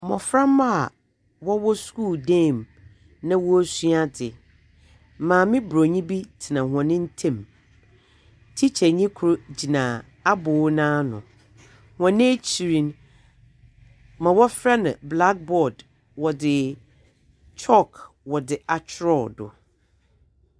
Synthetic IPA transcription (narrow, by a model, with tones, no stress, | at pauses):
mɔ̰̃˨fɾã˦ma˦a˨ | wɔ˦wɔ˦sku˦˨ldẽ˦˨m | nã˦wɔ˦su˦a˦dɪ˨˦ | mãː˨mɪ̃˦bɾo˨ɲĩ˦bi˦tʰɪ˨nã˨hɔ̃˨nɪ̃˦n̩˦tʰẽ˦˨m | tʰi˦t͡ɕʰɛ˨ɲĩ˦kʰʊ˨˦ɾo˦d͡ʑi˨nã˨ | a˦bʊː˨˦nãː˦nʊ̰̃˨ | hɔ̃˨nɪ̃˦e˦t͡ɕʰi˨ɾĩ˨n | mã˨wɔ˦fɾa˦nã˨bla˦k̚bɔ˦˨d | wɔ˨dɪ˨ | t͡ʃʰɔ˦˨k | wɔ˨dɪ˨ʔa˨t͡ʃʰɪ˦ɾɔ˦˨dʊ̰˨